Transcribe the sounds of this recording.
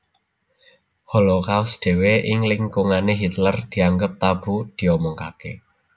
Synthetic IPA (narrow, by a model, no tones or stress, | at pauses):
hɔlokawsd̪̥e̤weʔɪŋlɪŋkuŋaneɦit̪lərd̪̥i̤aŋɡəp̚t̪ab̥ṳd̪̥i̤ɔmɔŋkake